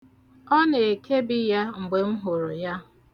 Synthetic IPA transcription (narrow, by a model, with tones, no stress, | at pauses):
ɔ˦ne˨e˨kʰe˦bɪ˦ja˦ŋ͡m̩˨ɡ͡be˨ŋ͡m̩˦ɦʊ˨ɾʊ˨ja˦